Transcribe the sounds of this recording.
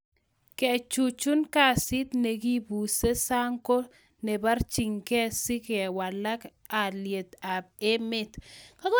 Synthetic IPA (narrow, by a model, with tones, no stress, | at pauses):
kɛ˨t͡ʃu˨t͡ʃu˦nka˦˨sɪ˦t̪ne˨ɡi˦bu˨se˦sa˦ŋko˦ | ne˨ba˦rt͡ʃi˨ŋkɛ˦si˦kɛ˨wa˨la˦k | a˨lje˨t̪a˨b̚e˦mɪ˦t̪ka˦kɔ˦